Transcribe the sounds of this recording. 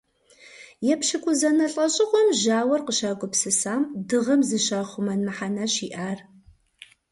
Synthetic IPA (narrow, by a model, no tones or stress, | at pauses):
jɛpʃɪkʷʼʊzɐnɐɬʼɐɕʼɪʁʷɔmʒaːwɐrqəʃaːɡʷʼʊpsɨsaːmdɨʁɐmzɨɕaːχʷʊmɐnmɨħanɐɕiːʔaːr